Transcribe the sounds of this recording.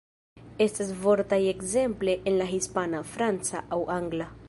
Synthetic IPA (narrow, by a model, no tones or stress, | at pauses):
est̪esvoɾt̪ajeɡzempleʔenlaɦispanafɾant͡sa̰ʔawʔaŋɡla